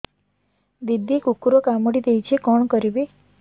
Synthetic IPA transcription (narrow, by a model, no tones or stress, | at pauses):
d̪id̪ːikukuɾokamɽid̪ejt͡ʃʰekɔɳkəɾibe